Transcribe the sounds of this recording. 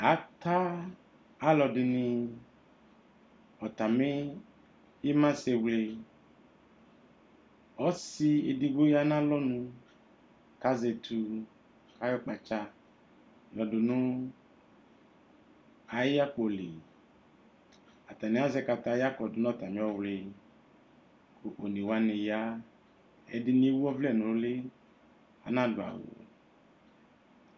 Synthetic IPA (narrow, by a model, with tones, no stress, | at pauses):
a˨˦t̪aː˦ | lɔ˧dɪ˨nɪ̃˨˧ | ɔ˨t̪a˨me˦ | e˦mã˦se˧wle˧ | ɔ˦si˧e˨di˨ɡo˦ja˦nã˦lɔ˦nũ˧ | ka˦ze˨tʰu˧ | ka˦jɔ˦k͡pa˨t͡ʃa˦˨ | lɔ˨du˨nũ˦ | a˨ji˦a˦k͡po˨lḛ˨ | a˨ta˨ni˨˦a˦zɛ˦ka˧ta˨˦ja˦kɔ˨dʊ˨nɔ˦˨ta˨mĩ˨˦ɔ˦wle˨ | ko˨ʔo˨ni˨wa˦ne˨ja˦ | ɛ̰˨dɪ˦ni˦e˦wu˦ɔ˦vlɛ˦˨no˨lo˦lɪ˦ | a̰˨nã˦dʊ˨a̰˨wo̰˨